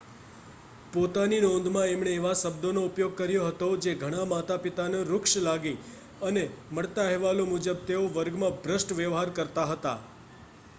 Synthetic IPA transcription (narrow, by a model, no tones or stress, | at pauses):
pot̪aninɔ̃nd̪ʱmãemɳeːʋaʃəbd̪onoupjoɡ̚kəɾjoɦət̪od͡ʒeɡʱəɽ̃amat̪apit̪aneɾʊkʃlaɡi | əneməɭt̪aɦɛʋalomud͡ʒəbt̪eoʋəɾɡmãbʱɾəsʈʋjəʋɦaɾkəɾt̪aɦət̪a̰